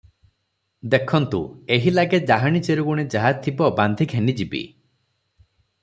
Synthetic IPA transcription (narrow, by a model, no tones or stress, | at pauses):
d̪ekʰɔnt̪ṵeɦilaɡed͡ʒaɦaɽ̃ñit͡ʃeɾuɡuɽ̃ed͡ʒaɦat̪ʰibɔband̪ʱikʰenid͡ʒibḭ